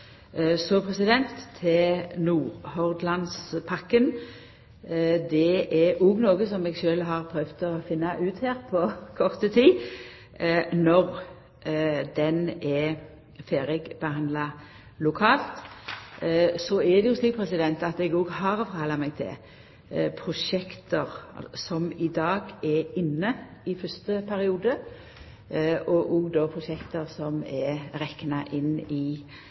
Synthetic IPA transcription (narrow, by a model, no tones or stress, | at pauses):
sɔpʰʁɛsɪd̪ɛnt̪ʰːɪnuːʁhɔʁd̪lɑnspʰɑkːən | d̪ɛʔɛɾɔɡnoːɡəsɔmɛɡʃøːlɦɑʁpʰɾœʋt̪ɔfɪnːɑʔʉːt̪hæːʁpʰɔkʰɔʁt̪ət̪ʰiː | nɔʁ | d̪ɛnɛ | feːɾɛɡbəhɑnd̪lɑ | lʊkʰɑːlt̪ | sɔɛd̪ɛjʊsliːpʰɾɛsɪd̪ɛnt̪ɑt̪ɛɡoːɡhɑɾfɔɾhɑlːɑmɛɡt̪ʰɪ̰l | pʰɾʊʃɛkt̪əʁ̰sɔmɪd̪ɑːɡɛɾɪnːəɪfœst̪əpʰæɾɪuːd̪ə | ʔɔʔɔːɡd̪opʰʁʊʃɛkt̪əʁsɔmɛɾɛknɑʔɪnːɪ